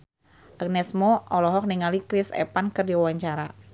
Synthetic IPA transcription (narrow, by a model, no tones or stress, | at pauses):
ʔaɡ̚nɛsmoɔlɔɦɔk̚niŋalikɾɪsɛ̰pankɨrdiwawaɲt͡ʃaɾa